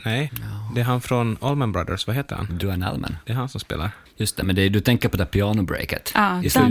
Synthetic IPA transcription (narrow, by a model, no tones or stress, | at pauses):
nɛjd̪ɛæɾɦanfɾɔnɔlmənbɾad̪ə̰ɾsvaɦeːt̪ːəɾha̰nd̪ʉæɳɛ̰lmʔɛ̰nd̪ɛæɾhansɔmspḛːla̰ɾ | jɵst̪ɛmɛnd̪ɛd̪ɵt̪ʰɛŋkəpɔd̪ɛæɾpʰɪɑːnʊbɾɛ̰ːkə̰t̪ʔaːs